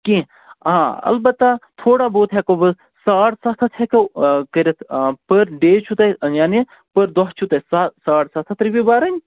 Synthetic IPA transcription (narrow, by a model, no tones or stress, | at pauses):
kĩ | ɦãːɐ̰lbɐt̪ːat̪ʰoːɽaboːt̪ɦɛkobɐz | saːɽsɐt̪ʰɐt̪ʰɦɛkɐkəɾʲɐt̪ʰpəɾɖeːt͡ʃʰut̪ɐjaːni | pəɾd̪ɔɦt͡ʃʰut̪ɐsasaːɽsɐt̪ʰɐt̪ɾibibaːɾɐnʲ